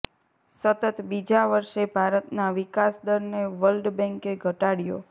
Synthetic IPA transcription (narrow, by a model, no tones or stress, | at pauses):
sət̪ət̪bid͡ʒaʋəɾʃebʱaɾət̪naʋikasd̪əɾneʋəlɖbɛ̃ŋkeɡʱəʈaɽjo̰